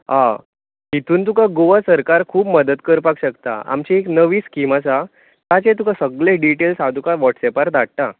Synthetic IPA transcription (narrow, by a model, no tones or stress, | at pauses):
ɦã | ɦit̪uːnt̪ukaɡoʋasəɾkaɾkʰuːbməd̪ət̪kəɾpakɕəkt̪a̰a̰mt͡ɕieknəʋiːskimat͡sa | t̪at͡ɕẽt̪̬ukasəɡɭẽɖiʈelsɦad̪ʱukaʋɔʈsɛpaɾd̪aɽ̚ʈ̪a